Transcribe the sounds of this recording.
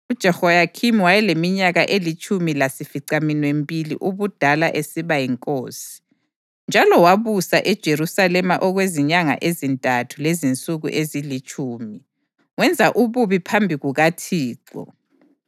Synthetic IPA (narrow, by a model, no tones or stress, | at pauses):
ud̥ʒ̥ʱɛxɔjakʰimwajɛlemiɲaɣaʔelit͡ʃʰʼumilasifiǀaminwembʱʼilḭʔuβud̥ʱalaʔesiβajiŋkʼoːsi̥ | nd͡ʒʱalɔwaβusaʔɛd̥ʒ̥ʱerusalɛmaʔɔɣweziɲaŋa̰ʔezintʼatʰulezint͡sʼuɣṵʔezilit͡ʃʼuːmi | wɛnd͡zʱaʔuβuβipʰambʱiɣuɣatʰiːǃɔ̰